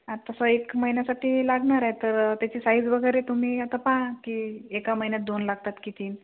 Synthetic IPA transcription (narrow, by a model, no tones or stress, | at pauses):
at̪əsəekməinjasaʈiːlaɡɳaɾaet̪əɾt̪jat͡ɕiːsaid͡zʋəɡəjɾet̪um̤iːat̪apãkiːekaməɦinjat̪̚d̪onlaɡ̚t̪at̪kit̪iːn